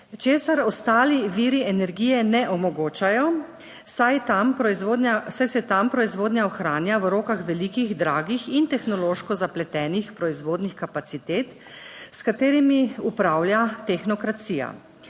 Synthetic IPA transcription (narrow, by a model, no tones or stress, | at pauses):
t͡ʃeːsaɾɔst̪aːliʋiɾiɛnɛɾɡiːjɛnɛʔɔmɔɡoːt͡ʃajɔ | saj̪ad̪asajsɛt̪ampɾɔizʋoːd̪njaɔxɾaːnjawɾoːkaxʋɛlikiɣd̪ɾaːɡixint̪ɛxnɔloːʃkɔzaplɛt̪ɛːnixpɾɔizʋoːd̪nixkapat̪sit̪eːt̪ | skat̪eːɾimiupɾaːwljat̪ɛxnɔkɾat̪sija̰